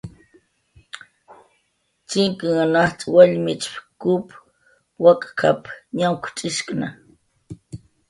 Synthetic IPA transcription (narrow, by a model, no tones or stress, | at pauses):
t͡ʃiŋkɨŋanaht͡sʼwaʎmit͡ʃpkup | wakʼkʰapɲawkʷʰt͡ʃʼiʃkʼna